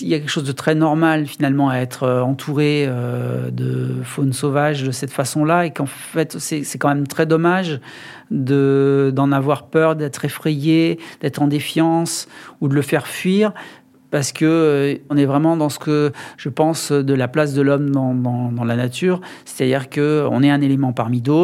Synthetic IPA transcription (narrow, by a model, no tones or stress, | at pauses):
iljakʲɛlkəʃozd̪ət̪χɛnɔʁmalfinalmɑ̃aɛt̪χøɑ̃t̪ʰuʁeød̪əfonsovaʒd̪əsɛt̪fasɔ̃laekɑ̃ | fɛt̪sɛsɛkɑ̃mɛmt̪χɛd̪ɔmaʒ | d̪əd̪ɑ̃navwaʁpœʁd̪ɛt̪χefχejed̪̥ɛt̪χɑ̃d̪efjɑ̃sud̪ələfɛʁfɥiʁ | paʁsə̥kəɔ̃nɛvʁɛmɑ̃d̪ɑ̃sə̥kəʒ̥əpɑ̃sød̪əlaplas̬d̪əlɔmd̪ɑ̃d̪ɑ̃d̪ɑ̃lanat̪ʰyːʁse̥t̪ad̪iʁkəɔ̰̃nɛɛ̃nelemɑ̃paʁmid̪ot̪